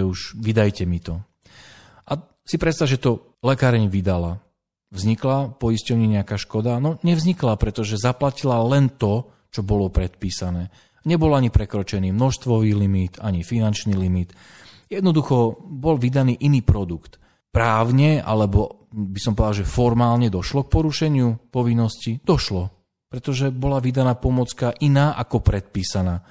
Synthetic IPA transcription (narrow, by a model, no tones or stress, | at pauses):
ɛuʒʋid̪ajcɛmit̪ɔ | ʔa | sipɾɛt̪st̪aʒɛt̪ɔ | lɛkaːɾɛɲʋid̪ala | vzɲiklapɔiscɔʊɲɛɲɛakaːʃkɔd̪anɔɲɛvzɲiklapɾɛt̪ɔʒɛzaplacilalɛnt̪ɔ | t͡ʃɔbɔlɔpɾɛt̪piːsanɛː | aɲɛbɔlaɲipɾɛkɾɔt͡ʃɛniːmnɔʃst̪ʋɔʋiːlimit̪aɲifinant͡ʃniːlimit̪ | jɛd̪nɔd̪uxɔbɔlʋid̪aniːʔiniːpɾɔd̪ukt̪ | pɾaːʊɲɛʔa̰lɛbɔ | bisɔ̃mpɔd̪alʒɛfɔɾmaːlɲɛd̪ɔʃlɔk̚pɔɾuʃɛɲɪupɔʋinːɔscid̪̥ɔʃlɔ | pɾɛt̪ɔʒɛbɔlaʋid̪anaːpɔmɔt͡skaʔinaːʔakɔpɾɛt̪̚piːsanaː